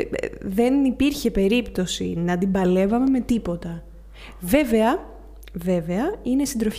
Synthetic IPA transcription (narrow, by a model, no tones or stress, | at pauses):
ðe̞nipiɾçe̞pe̞ɾipt̪o̞sḭnɐd̪ibɐle̞vɐme̞me̞t̪ipo̞t̪ɐ | ve̞ve̞ɐ | ve̞ve̞ɐinesind̪ɾof